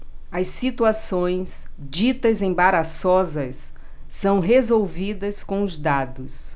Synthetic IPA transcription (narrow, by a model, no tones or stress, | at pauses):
ɐsːit̪uasõj̃sd͡ʒit̪ɐzẽbaɾasɔzɐsː | ɐ̃w̃ɦezowvid̪ɐskõw̃ʊzd̪ad̪ʊs